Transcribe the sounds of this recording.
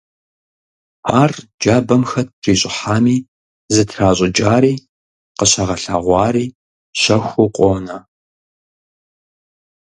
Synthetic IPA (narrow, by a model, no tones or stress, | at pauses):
aːrd͡ʒaːbɐmxɐt̚ʰriːɕʼɪħaːmiː | zɨtʰraːɕʼɪd͡ʒʼaːɾiː | qəɕɐʁɐɬa̰ːʁʷɑːɾiː | ɕɐxʷʊqʷʼoːnɐ